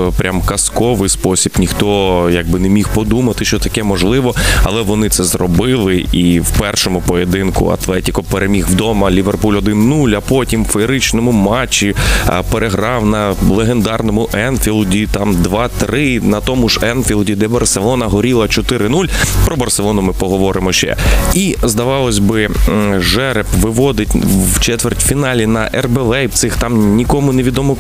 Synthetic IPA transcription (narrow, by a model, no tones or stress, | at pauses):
pɾʲʔamkɐskɔʋɪjspɔsʲib̥nʲixt̪ɔjɐɡ̚bɪnemʲixpɔd̪umɐt̪ɪʃt͡ʃɔt̪ɐkɛmɔʒlˠɪʋɔɐlˠɛʋɔnɪt̪sɛzrɔbɪlˠɪiwpɛrʃɔmʊpɔjed̪ɪnkʊ̰ɐ̰t̪lˠɛtʲikɔpeɾemʲixwd̪ɔmɐlʲiʋerpulʲɔd̪ɪnːulʲɐpɔtʲimfeɾɪt͡ʃnɔmʊmɑt͡ʃːipeɾʔeɦɾɑwnɐlˠeɦend̪ɑrnɔmʊʔɛnfʲilˠdʲit̪ɑmd̪ʋɑt̪ɾɪnɐt̪ɔmʊʒɛnfʲilˠdʲid̪ɛbɐrselˠɔnɐɦɔɾʲilˠɐt͡ʃɔt̪ɪɾɪnulʲpɾɔbɐrselˠɔnʊmɪpɔɦɔʋɔɾɪmɔʃt͡ʃɛ̰izd̪ɐʋɑlˠɔsʲbɪʒɛɾepʋɪʋɔd̪ɪtʲwt͡ʃɛt̪ʋertʲfʲinɑlʲinɐʔɛrbeʋɛjpt̪sɪxt̪ɑmnʲikɔmʊneʋʲid̪ɔmɔ